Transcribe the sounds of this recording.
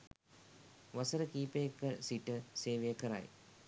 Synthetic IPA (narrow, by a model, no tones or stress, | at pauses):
ʋasəɾəkiːpəjekːəsiʈəseːʋejəkəɾa̰j